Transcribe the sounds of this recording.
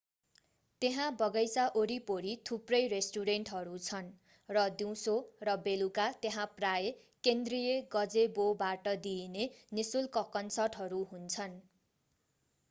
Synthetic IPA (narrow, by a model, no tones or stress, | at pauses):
t̪eɦãbʌɡʌjsaʔoɾipoɾit̪ʰuprʌjresʈuɾeɳʈɦʌɾut͡sʰʌn | rʌd̪iw̃sorʌbelukat̪eɦãpraje | kend̪rijeɡʌd͡zebobaʈʌd̪inenisulkʌkʌnsʌrʈɦʌɾuɦunt͡sʰʌn